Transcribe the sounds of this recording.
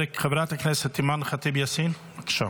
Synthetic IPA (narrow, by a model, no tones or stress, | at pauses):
ekχabɾat̪aknɛset̪ːimanχat̪ibjasin | akʃa̰